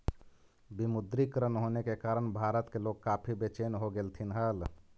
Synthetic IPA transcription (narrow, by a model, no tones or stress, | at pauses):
bimud̪ɾikɾənɦonekekaɾəɳbʱaɾət̪keloɡ̚kapʰibet͡ʃenɦoɡelt̪ʰinɦəl